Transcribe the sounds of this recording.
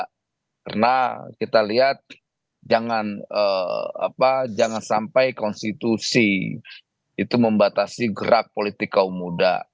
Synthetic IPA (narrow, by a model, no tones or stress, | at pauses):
karnakit̪aliɦat̪̚ | d͡ʒaŋanəa̰pad͡ʒaŋansampajkɔnst̪it̪usi | it̪uməmbat̪asiɡəɾak̚polit̪ɪkːaumuda̰